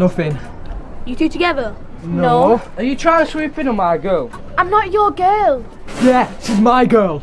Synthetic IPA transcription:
nʊθɪ̃ŋ | jətʰʉːtʰəɡɛðə | noə̃njətʰɹ̥aɪ̃əswiˑpɪ̃nəmaɪɡɜːlˠ | ãɪ̃mnət͡ʃəɡɜːlˠ | jæɪsɪzmaɪɡɜːlˠ

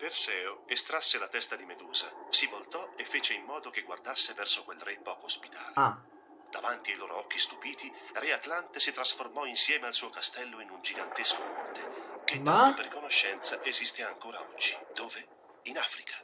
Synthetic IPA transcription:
persɛːoest̪ɾasːelat̪ɛst̪ad̪imed̪uːzasivolt̪ɔefːeːt͡ʃeimːɔːd̪ok̟eɡward̪asːevɛrsokwelrɛpɔːkoːspit̪a̰ːle | d̪̥avant̪iajloːɾʔo̰ɔk̟ːist̪upiːt̪irɛat̪lant̪esit̪ɾasformɔinsjɛːmealsuːokast̪ɛlːoinund͡ʒiɡant̪eskomɔrt̪ek̟et̪ːaoperkonoʃːɛnt̪saʔezist̪eaŋkoːɾa̰ɔd͡ʒːid̪̥oːve | inaːfɾikʰḁ

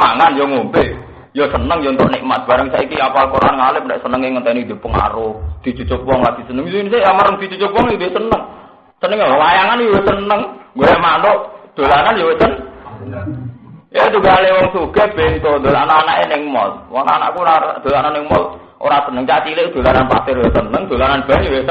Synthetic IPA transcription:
ma̰ŋanjoŋombe | josənəŋjont̪ɔʔnɪʔmas̚b̥a̤ɾəŋsaʔikiapalkoɾa̰nŋalɪp̚ndɛʔsənəŋeŋət̪ɛnid̪e̤pəŋa̰ɾohd̪̥i̤t͡ʃut͡ʃʊk̚wɔŋlaɡ̥i̤sənəŋnisejamaɾəŋd̥̪it͡ʃut͡ʃʊk̚wɔŋid̪esənəŋ | sənəŋowajaŋanjowesənəŋɡojamant̪oʔd̪̥o̤lananjowesən | et̪uɡalewɔŋsuɡ̥eb̥eŋt̪od̪olanaːnaʔenɪŋmɔ̰lwɔ̰na̰na̰ʔkunad̪̥o̤lananɪŋmɔl | ʔo̰ɾasənəŋt͡ʃat͡ʃilɪʔd̥̪o̤lananpa̰sɪrjosənəŋd̪̥o̤lananb̥anjowesə

